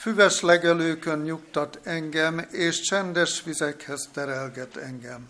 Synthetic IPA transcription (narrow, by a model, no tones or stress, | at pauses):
fyvɛʃlɛɡɛløːkønɲukt̪ɒt̪ɛŋɡɛmeːʃt͡ʃɛnd̪ɛʃʋizɛkhɛst̪ɛɾɛlɡɛt̪ɛŋɡɛm